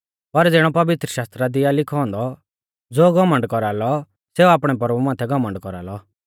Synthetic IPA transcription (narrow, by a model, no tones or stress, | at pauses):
pɐɾd͡zɪɽ̃ɔpɐʋɪt̪ɾəʃaːst̪ɾad̪ɪjalɪkʰɔ̃ːnd̪ɔ | d͡zoːɡɐmə̃ɳɖkɔɾaːlɔ | seːuaːpɽ̃ɛpɐɾbumãːt̪ʰɛɡɔmə̃ɳɖkɔɾa̰ːlɔ